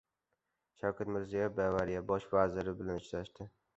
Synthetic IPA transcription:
ʃawkʰʲat̪mɪɾzijɒbavaɾijabɒʃvazɪɾɪbɪlanɪt͡ʃɾaʃt̪ɪ

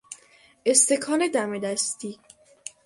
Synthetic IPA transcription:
ʔest̪e̞kʰɒːne̞d̪æmed̪æst̪iː

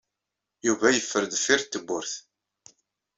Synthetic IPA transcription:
juvæjəfːəɾðfiɾt̪ːəbːʊɾθ

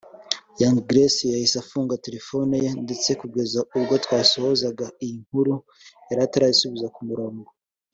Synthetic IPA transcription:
jaŋɡɾesijahisafuːŋɡate̞ɾefo̞nijende̞t͡se̞kuɡe̞zauβɡo̞twaːsohozaɡaijiŋ̥huɾu | aɾataɾajisuβizakumuɾo̞ːŋɡo

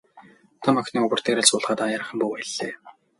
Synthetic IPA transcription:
t̪ʰɔmɔxʲniːŋʊɣʊ̆r̥t̪ʰeːɾaːɮt͡sʊːɮχaːt̪ajaːɾə̆χə̆mpuːpæɮ̥ːeː

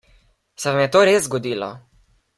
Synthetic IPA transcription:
sɛvamjɛt̪oːɾeːszzɡɔd̪iːlɔ̰

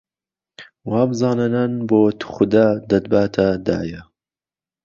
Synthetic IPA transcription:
waːbɨzɑːnɐnɐnboːt̪ʰu̥xʊd̪aːd̪ɐd̪̚baːt̪ʰad̪a̰ːjɐ

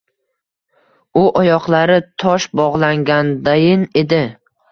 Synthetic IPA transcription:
ʊʔɒjɒqlˠaɾɪt̪ʰɒʃbɒʁlˠaŋɡʲand̪ajɪne̞d̪ɪ

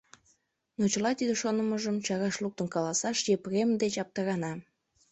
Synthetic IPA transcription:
not͡ɕəlɑt̪id̪eʃonəməʒəmt͡ɕɑɾɑʃluk̚t̪ənkɑlɑsɑʃjepremd̪et͡ɕɑp̚t̪ɑɾɑnɑ

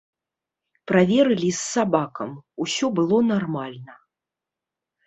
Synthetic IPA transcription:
pɾavʲɛɾɨlʲisːabakɐmusʲɔbɨlˠɔnarmalʲnɐ

